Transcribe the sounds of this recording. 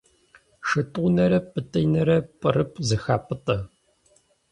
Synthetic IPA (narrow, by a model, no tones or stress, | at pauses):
ʂɨtʼʷːnɐɾɐpʼɨtʼɐjnɐɾɐpʼɨrɨpʰʼzɨxaːpʼɨtʼɐ